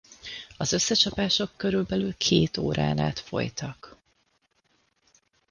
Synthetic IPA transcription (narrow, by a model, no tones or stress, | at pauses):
ɒzøsːɛt͡ʃɒpaːʃo̞kːøɾylbɛlylkʰeːt̪o̰ːɾa̰ːna̰ːt̪fo̞̰jt̪ɒk